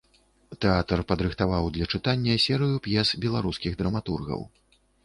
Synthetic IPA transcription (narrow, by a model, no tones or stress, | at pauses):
t̪ɛat̪ɐrpɐd̪ɾɨxt̪avawd̪lʲɐt͡ʂɨt̪anʲːɐsʲɛɾɨjupjɛsbʲɛlˠaɾuskʲiɣd̪ɾɐmat̪urɣɐ̰w